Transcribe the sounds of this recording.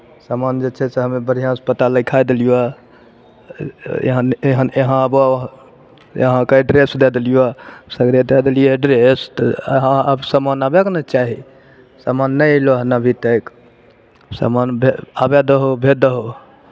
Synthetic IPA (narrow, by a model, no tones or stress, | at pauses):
samand͡ʒet͡ʃʰɛseɦəmebəɾijãspət̪aləkʰajd̪elija | ḛɦə̃neɦəneɦãəb | ḛɦãkeɖɾesd̪ɛd̪elijasəɡɾed̪ed̪elijeɖɾest̪ə̰ɦãəbsəmanabeknət͡ʃaɦi | samanːəjloɦnabʱit̪əjk | sa̰manbʱeabed̪əɦobʱed̪əɦo